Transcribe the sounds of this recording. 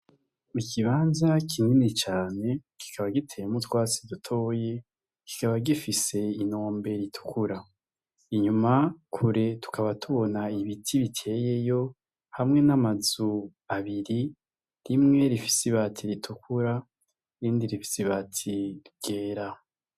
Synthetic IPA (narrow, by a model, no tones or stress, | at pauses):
ikʰiβaːnzakʰiŋinit͡ʃaːne̞ki̥kʰaβaɡitʰe̞mutwaːt͡sidutʰo̞ːje̞ | ki̥kaβaɡifise̞ino̞ːmbe̞ɾitʰu̥kʰuɾa | iɲumakʰuɾe̞tu̥kaβatʰuβo̞naiβitʰiβitʰe̞ːje̞jo̞ | hamŋe̞namazu | aβiɾi | ɾimŋe̞ɾifi̥siβatʰiɾitʰukʰuɾa | ɾiːndiɾifi̥siβatʰiɾɡ̥e̞ːɾa